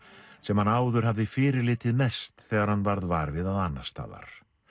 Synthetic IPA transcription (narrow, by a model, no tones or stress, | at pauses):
sɛmhanaːwðʏɾ̥havðɪfɪːɾɪɾlɪːt̪ɪðmɛst̪θɛːɣaɾhanːvaɾðvaːɾvɪðaðanːast̪a̰ːða̰ɾ̥